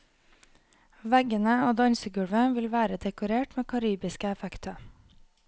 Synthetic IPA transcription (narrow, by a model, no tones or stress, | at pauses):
ʋæɡənəoːd̪ɑɲsəɡʉɽʋəʋɪlʋæːɾəd̪ɛkʊɾeːʈmeːkʰɑɾiːbɪskəɛfɛkt̪ʰə